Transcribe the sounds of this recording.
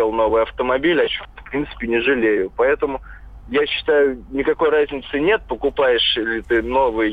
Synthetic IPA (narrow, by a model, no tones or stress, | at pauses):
elˠno̞vɨjɐft̪əmɐbʲilʲɐt͡ɕofpɾʲint̪sɨ̥pʲɪnʲɪʐɨlʲejʊpɐɛt̪əmʊ | jaɕːɪ̥t̪ajʊnʲɪkɐko̞jrazʲnʲɪt̪sɨnʲe̞t̪̚pəkʊpajɪʂilʲɪt̪ɨno̞vɨj